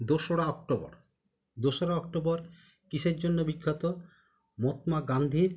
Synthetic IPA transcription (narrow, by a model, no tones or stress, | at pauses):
d̪oʃoɽaɔk̚ʈobɔ̰ɾ | d̪oʃoɾaɔk̚ʈobɔɾ | kiʃeɾd͡ʑonːobikʰːat̪o | mɔt̪maɡand̪ʱiɾ